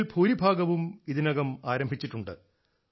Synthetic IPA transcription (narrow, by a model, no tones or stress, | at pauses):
lbʰʱuːɾibʱaːɡɐʋumiðinɐɣɐmaːɾɐmbʱit͡ɕːiʈːuɳɖɨ̰